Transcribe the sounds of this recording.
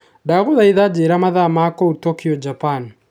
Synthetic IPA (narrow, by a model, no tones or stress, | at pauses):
daɣuðaiðad͡ʒeːɾamaðamakɔutɔkiɔd͡ʒapan